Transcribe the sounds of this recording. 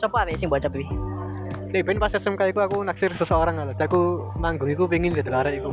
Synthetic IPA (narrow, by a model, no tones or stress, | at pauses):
sɔpɔawɛsɪŋbɔat͡ʃəpii | leb̥ɛnpasɛsəmkaikuakunak̚sɪrsəsəoɾaŋalad̪̥iakumaŋɡʊŋikup̬iŋɪnd͡ʒɛ̤d̪̥əlaɾɛiku